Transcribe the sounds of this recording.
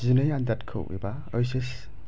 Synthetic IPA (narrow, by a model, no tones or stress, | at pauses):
zinɯjandatkʰɯ̰wḛba | ɔjses